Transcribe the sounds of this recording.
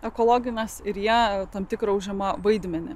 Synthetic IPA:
ɛkoːlˠoːɡʲɪnʲɛsɪɾjiɛt̪ɐmt̪ʲɪkɾɐʊʒʲɛmɐʋɐɪd̪ʲmʲɛnʲɪ̰

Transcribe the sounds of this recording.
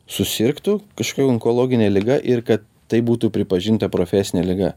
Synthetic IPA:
sʊsʲɪɾkt̪ukɐʃkoːɐŋkoːlˠoːɡʲɪnʲɛːlʲɪɡɐʔɪɾkɐt̪ːɐɪbuːt̪uːpʲɾʲɪpɐʒʲint̪ɐpɾoːfʲæsʲɪnʲɛlʲɪɡɐ̰

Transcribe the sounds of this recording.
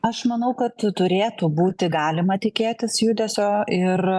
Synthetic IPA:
ɐʃmɐnɐʊkɐt̪t̪ʊɾʲeːt̪ubuːt̪ʲɪɡɑːlʲɪmɐt̪ʲɪkʲeːt̪ʲɪsjuːd̪ʲɛsʲoːɪr

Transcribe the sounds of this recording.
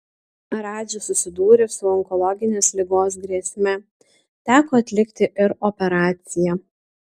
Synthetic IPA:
ɾɑːd͡ʒʲʊsʊsʲɪd̪uːɾʲɪsʊɔŋkɔlˠɔɡʲɪnʲeːslʲɪɡoːs̬ɡɾʲiɛsʲmʲɛ | t̪ʲæːkoːɐt̪ʲlʲɪkt̪ʲɪʔɪɾɔpʲɛɾɑːt̪sʲɪjɛ

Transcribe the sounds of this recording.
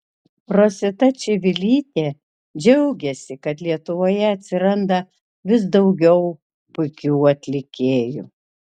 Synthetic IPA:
pɾoːsʲɪt̪ɐt͡ʃʲɪʋʲɪlʲiːt̪ʲeː | d͡ʒʲɛʊɡʲɛsʲɪkɐt̪lʲiɛt̪ʊʋoːjɛɐt̪ʲsʲɪɾɐnd̪ɐ | ʋʲɪsd̪ɒʊɡʲɛʊ | pʊɪkʲuːɐt̪ʲlʲɪkʲeːjṵ

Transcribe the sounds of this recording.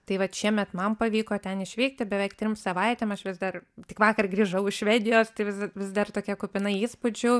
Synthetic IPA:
t̪ɐɪʋɐt̪ʃʲiɛmʲɛt̪mɐmpɐʋʲiːkoːt̪ʲɛnɪʃʲʋʲiːk̚t̪ʲɪbʲɛʋɛɪkt̪ʲɾʲɪmsɐʋɐɪt̪ʲemɐʃʋʲɪzd̪ɐrt̪ʲɪkʋɑːkɐrɡrʲiːʒɐʊɪʃʃʲʋʲɛːd̪ʲɪjoːst̪ɐɪʋʲɪzʋʲɪzd̪ɐrt̪oːkʲiɛkʊpʲɪnɐɪiːspʊd͡ʒʲʊ

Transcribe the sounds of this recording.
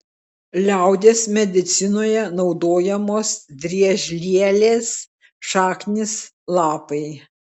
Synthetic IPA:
lʲæˑʊd̪ʲeːsmʲɛd̪ʲɪt̪sʲɪnoːjɛnɒʊd̪oːjɛmoːsd̪ʲɾʲiɛʒʲlʲiɛlʲeːs | ʃɑːknʲɪs | lˠɑːpɐɪ

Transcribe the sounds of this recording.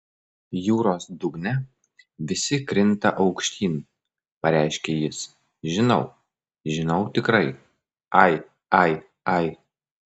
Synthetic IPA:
juːɾoːsd̪ʊɡnʲɛ | ʋʲɪsʲɪkɾʲɪnt̪ɐʔɒʊkʃʲt̪ʲiːn | pɐɾʲæɪʃʲkʲeːjɪs | ʒʲɪnɐʊ | ʒʲɪnɐʊt̪ʲɪkɾɐɪ | ɐɪ | ɐɪ | ɐɪ

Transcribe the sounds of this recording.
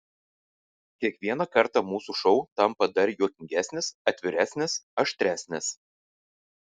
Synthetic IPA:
kʲiɛkʋʲiɛnɑkɐɾt̪ɑmuːsuʃɔʊt̪ɐmpɐd̪ɐɾʲjuɔkʲɪŋʲɡʲæːsʲnʲɪsɐt̪ʲʋʲɪɾʲæːsʲnʲɪsɐʃt̪ʲɾʲæːsʲnʲɪs

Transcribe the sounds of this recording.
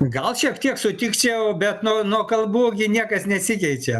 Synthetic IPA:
ɡɐlˠʃʲiɛkt̪ʲiɛksʊt̪ʲɪkt͡ʃʲɛjʊbʲɛt̪nuːnuɔkɐlˠbuːɡʲɪnʲiɛkɐsnʲɛsʲɪkʲɛɪt͡ʃʲɛ

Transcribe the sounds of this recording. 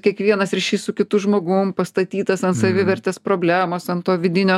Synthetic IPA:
kʲiɛkʋʲiɛnɐsɾʲɛʃʲiːssʊkʲɪt̪ʊʒmoːɡʊpɐst̪ɐt̪ʲiːt̪ɐsɐnt̪sɐʋʲɪʋʲɛɾʲt̪ʲeːspɾoːbʲlʲæːmoːsɐnt̪oːʋʲɪd̪ʲɪnʲoː

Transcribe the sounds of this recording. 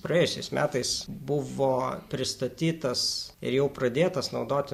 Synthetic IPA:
prɐjeːjʊsʲɛɪsmʲʔæːt̪ɐɪsbʊʋoːpʲɾʲɪst̪ɐt̪ʲiːt̪ɐsɪ̰ɾjɛʊpɾɐd̪ʲeːt̪ɐsnɒʊd̪oːt̪ʲɪ

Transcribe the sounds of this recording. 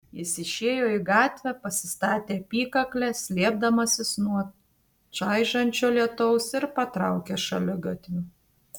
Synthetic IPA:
jɪsɪʃʲeːjoːiɡɑːt̪ʲʋʲɛpɐsʲɪst̪ɑːt̪ʲeːɐpʲiːkɐklʲɛsʲlʲiɛb̚d̪ɐmɐsʲɪsnuɔ | t͡ʃɐɪʒɐnʲt͡ʃʲoːlʲiɛt̪ɔʊsɪɾpɐt̪ɾɑˑʊkʲeːʃɐlʲʊɡɐt̪ʲʋʲʊ

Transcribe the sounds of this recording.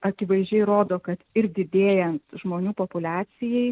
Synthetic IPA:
ɐkʲɪʋɐɪʒʲd͡ʒʲɛɪɾoːd̪oːkɐt̪ɪɾd̪ʲɪd̪ʲeːjɛnt̪ʒmoːnʲuːpoːpʊlʲæːsʲɪjɛɪ

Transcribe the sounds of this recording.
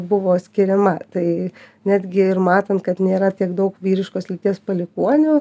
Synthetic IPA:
bʊʋoːsʲkʲɪɾʲɛmɐt̪ɐɪ | nʲæːd̪ʲɡʲɪɪɾmɑːt̪ɐnt̪kɐt̪nʲeːɾɐt̪ʲiɛkd̪ɐʊkʋʲiːɾʲɪʃkoːslʲɪt̪ʲiɛspɐlʲɪkuɔnʲoː

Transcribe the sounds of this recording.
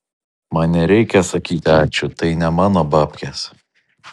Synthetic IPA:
mɐnnʲɛɾʲɛɪkʲɛsɐkʲiːt̪ʲɪɑːt͡ʃʲʊt̪ɐɪnʲɛmɑːnoːbɑːpʲkʲɛs

